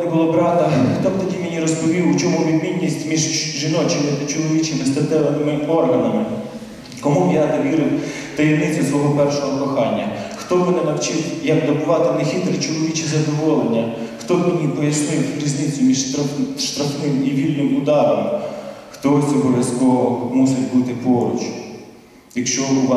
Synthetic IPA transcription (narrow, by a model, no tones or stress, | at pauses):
ɛbʊlˠɔbɾɑt̪ɐxt̪ɔbt̪ɔdʲimenʲiɾɔspɔʋʲiwt͡ʃɔmuʋʲid̪mʲinʲːisʲtʲmʲiʒʒɪnɔt͡ʃɪmɪt̪ɐt͡ʃɔlˠɔʋʲit͡ʃɪmɪst̪ɐt̪ɛlˠɐmɪmɪɔrɦɐnɐmɪ | kɔmubjat̪ɐʋʲiɾɪw | t̪ɐjiwnɪt͡sʲːʊsʋɔɦɔpɛrʃɔɦɔkɔxɑnʲːɐ̰xt̪ɔʋɪnɪnɐwt͡ʃɪwjɐk̚d̪ɔbʊʋɑt̪ɪnexʲit̪ɾɪt͡ʃɔlˠɔʋʲit͡ʃizɐd̪ɔʋɔlˠenʲːɐxt̪ɔbɐnʲipɔjɐsnɪjt̪ʲɾʲizʲnɪt͡sʲːʊmʲiʒt̪ʃt̪ɾɐxnɪmiʋʲilʲnɪmʊd̪ɑɾɔmxt̪ɔɔt͡sʲɔbɔʋʲjɐskɔʋɔmusɪtʲbut̪ɪpɔɾʊ̰t͡ʃʊ | jɐkʃt͡ʃɔbʊʋɑ